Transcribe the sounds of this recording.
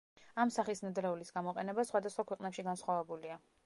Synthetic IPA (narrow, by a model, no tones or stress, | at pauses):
amsaχisnad̪ɾɛulisɡamɔqʼɛnɛbasχwad̪asχwakʰwɛqʼnɛpʃiɡansχwavɛbulia